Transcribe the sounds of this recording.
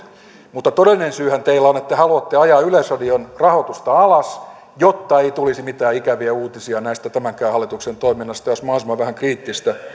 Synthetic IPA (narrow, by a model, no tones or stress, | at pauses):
mut̪ːɑt̪odelːˑinensyːhænt̪eilːæonet̪ːæhɑluɑt̪ːeɑjɑːylesodionrɑhot̪ust̪ɑɑlɑs | jot̪ːɑeit̪ulisimit̪æːikæʋiæuːt̪isiɑnæist̪æt̪æmæŋkæːhɑlːˑit̪uksent̪oiminːɑst̪ɑosmɑhɑilisomɑʋʋæhæŋkriːt̪ːist̪æ